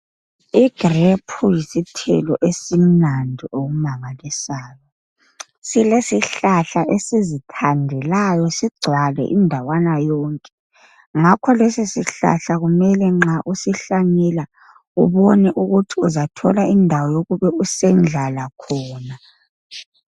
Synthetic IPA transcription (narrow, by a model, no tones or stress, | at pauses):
iɡ̥repʰujisitʰɛ̰lɔʔesim̩nandʱiʔoɣumaŋalisaːjɔ | silesiɬaɬaʔesizitʰandʱɛlajɔsiɡ͡ǀʱwalɛ̰ʔindʱawanajɔːŋkʼɛ | ŋakʰɔlesisiɬa̰ɬaɣumɛlɛŋ͡ǁaʔusiɬaɲɛla | ṵβɔnɛʔuɣutʰiuzatʰɔlaindʱawɔjoɣuβɛusɛnd͡ɮʱalakʰɔːna